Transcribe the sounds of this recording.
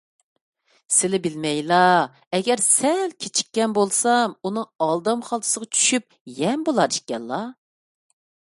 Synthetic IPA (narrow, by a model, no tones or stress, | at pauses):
sɪlɪbɪlmɛjlˠɑ | ɛɡʲɛɾsɛlkʲʰet͡ʃʰi̥kʲːɛnbolˠsɑmunɨŋɑlˠd̪ɑmχɑlˠt̪ʰɨ̥səʁɑt͡ʃʰy̥ʃyp̚jɛmbolˠɑɾiʃkʲːɛllˠɑ